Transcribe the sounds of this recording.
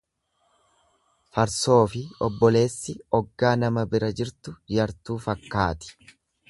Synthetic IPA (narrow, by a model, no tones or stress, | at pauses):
fɐɾso̞ːfɪɔbːɔle̞ːsːɪɔɡːaːnɐmɐbɪɾɐd͡ʒɪɾt̪ʊjɐɾt̪uːfɐkːaːt̪ɪ̥